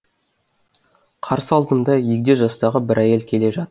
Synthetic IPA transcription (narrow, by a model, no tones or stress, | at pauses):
qʰɑɾsəɑlˠd̪ənd̪ɑjek̚ʲd̪eʒɑst̪ɑʁəbɪɾʔæje̞lkʲʰe̞le̞ʒɑt̪əɾ